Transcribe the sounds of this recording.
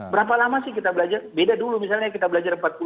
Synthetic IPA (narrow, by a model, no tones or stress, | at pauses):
bəɾap̬alamasɪhkit̪abəlad͡ʒarbedadulumisalɲakit̪abəlad͡ʒarəmpat̪̚pu